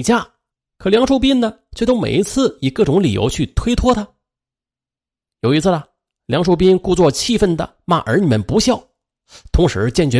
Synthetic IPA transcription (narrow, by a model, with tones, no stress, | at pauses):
t͡ɕja˥˩ | kʰɤ˨˩ljɑ˧˥ŋʂo˥˧ʊpi˥nnə˨ | t͡ɕʰo˥˧t̪o˥mḛ˨˩i˧˥t͡sʰɹ̩˥˩i˨˩kɤ˥˩ʈ͡ʂʊ˧˥ŋli˨˩jo̰˧˥ʊt͡ɕʰy˥˩t̪ʰwe˥ɪt̪ʰwɔ˥t̪ʰa˥ | jo˨˩ʊi˧˥t͡sʰɹ̩˥˩ɐ˩ | ljɑ˧˥ŋʂo˥˧ʊp̬i˥nku˥˧t͡swɔ˥˩t͡ɕʰi˥˧fə˥˩nd̪ə̰˨ | ma̰˥˩ʔə̰˞˧˥ni˨˩mə˦npu˧˥ɕjɑ˥˩ʊ | t̪ʰʊ˧˥ŋʂɻ̩˧˥t͡ɕjɛ˥˩nt͡ɕɥɛ˧˥